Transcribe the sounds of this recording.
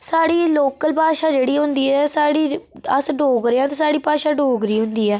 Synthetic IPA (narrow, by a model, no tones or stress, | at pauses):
saːɽiːloːkəlpaːʃaːd͡ʒeːɽiːɦʊ̃nd̪iːɛːsaːɽiːəsɖʱoːɡɾeãːt̪eːsaːɽiːpaːʃaːɖoːɡɾiːɦʊ̃nd̪iːɛː